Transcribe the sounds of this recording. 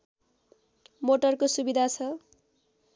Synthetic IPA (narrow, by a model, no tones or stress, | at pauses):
moʈʌrkosubid̪ʱat͡sʰʌ